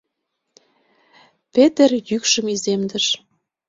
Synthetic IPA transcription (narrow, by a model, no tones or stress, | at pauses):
pet̪erjykʃə̆mizemd̪ə̆ʃ